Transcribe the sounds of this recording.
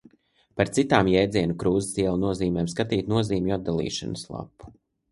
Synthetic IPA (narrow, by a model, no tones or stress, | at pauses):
paɾt̪sit̪aːmjɛjd̪ziɛnukɾuːzɪsiɛlˠunuɔziːmɛːmskat̪iːt̪nuɔziːmʲad̪d̪alˠḭːʃa̰nslˠa̰pːu̥